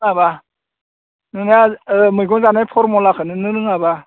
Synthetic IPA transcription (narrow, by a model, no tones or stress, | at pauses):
ŋaba | nɯnajamɯjɡɔŋzanajpʰɔɾmɔlakʰɯnɯnɯɾɯŋaba